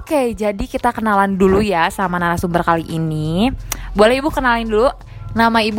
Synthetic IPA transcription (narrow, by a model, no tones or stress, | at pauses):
oked͡ʒadikit̪akənalandulujasamanaɾasumbərkaliʔini | bualɛhibukənalɪndulu | namaib